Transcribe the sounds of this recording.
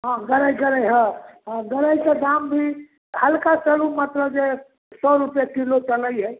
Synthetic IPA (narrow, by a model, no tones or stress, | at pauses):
ɦãɡəɾəjɡəɾəjɦãɦãɡəɾəjked̪ambʱi | həlkasəɽumət̪ləbd͡ʒe | sɔɾupjakilot͡ʃələjɦəj